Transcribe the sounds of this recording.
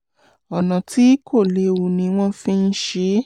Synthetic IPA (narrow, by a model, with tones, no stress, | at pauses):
ɔ˨nã˨ti˨˦kʰo˦˨le˨˦wu˧˨nĩ˧w̃ɔ̃˦fĩ˦n̩˦ʃe˧˦